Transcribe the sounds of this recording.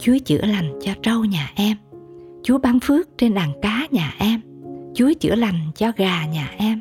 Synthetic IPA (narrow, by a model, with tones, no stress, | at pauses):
t͡ɕu˨˦ət͡ɕɨ̰˧˩əla˨˩jŋ̟t͡ɕɔ˧t͡ɕə˧wɲaː˨˩ʔɛ˧m | t͡ɕu˨˦əɓa˧ŋfɨ˦˥ək̚t͡ɕe˧nɗaː˨˩ŋkaː˨˦ɲaː˨˩ʔɛ˧mt͡ɕu˨˦t͡ɕɨ̰˧˩əla˨˩jŋ̟t͡ɕɔ˧ɣaː˨˩ɲaː˨˩ʔɛ˧m